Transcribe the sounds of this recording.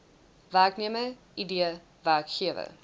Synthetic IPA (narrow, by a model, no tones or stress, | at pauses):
væːkniəməʔidiə | væːkxiəvə̰